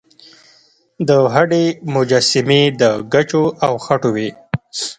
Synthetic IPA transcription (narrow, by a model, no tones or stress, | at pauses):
d̪əɦaɖemʊd͡ʒasɪmed̪əɡat͡ʃoawxaʈowe